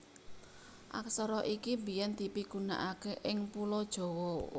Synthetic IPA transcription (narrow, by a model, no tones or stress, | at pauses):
ʔa̰ksɔɾɔʔikibi̤jɛnd̪̥i̤piɡ̥una̰ʔakeʔɪŋpulɔd̥ʒ̥ɔ̤wɔ